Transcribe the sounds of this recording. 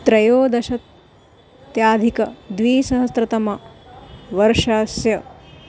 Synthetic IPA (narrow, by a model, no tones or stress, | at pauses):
t̪ɾɐjoːd̪ɐʃɐt̪ | jaːd̪ʱikɐd̪ʋiːsɐɦɐst̪ɾɐt̪ɐmɐ | ʋɐɾʃaːsjɐ